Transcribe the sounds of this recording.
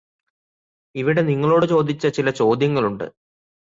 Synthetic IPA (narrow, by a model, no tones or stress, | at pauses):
iʋiɽe̞niŋːɐɭo̞ːɽɨt͡ɕo̞ːd̪it͡ɕːɐt͡ɕilɐt͡ɕo̞ːd̪ʱjɐŋːɐɭuɳɖɨ̰